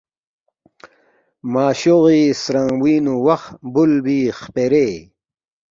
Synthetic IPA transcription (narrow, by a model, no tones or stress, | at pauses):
maːɕoɣiːsɾaŋwiːnuwɐxbulbiːχpeɾeː